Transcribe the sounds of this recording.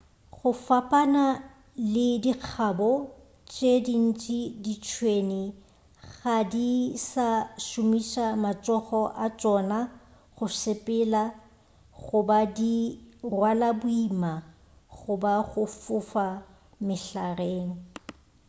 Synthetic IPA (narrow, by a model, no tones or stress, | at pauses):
ɣʊfapʼana | lɪdik͡xʰabɔ | t͡ʃʼedin̩t͡ʃʼidit͡ʃʰwenɪ | ɣadisaʃʊmiʃamat͡ʃʼɔχɔʔat͡ʃʼɔna | ɣʊsɪpʼɪla | ɣʊbadirwalabʊima | ɣʊbaɣʊfʊfa | mɪɬareːŋ̩